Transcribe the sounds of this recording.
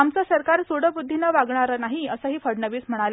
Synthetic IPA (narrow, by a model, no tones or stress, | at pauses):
amt͡səsəɾkaɾsuɽəbud̪ʱːinəʋaɡɳaɾənaɦiəsəɦiːfəɽɳəʋiːsm̤əɽ̃alə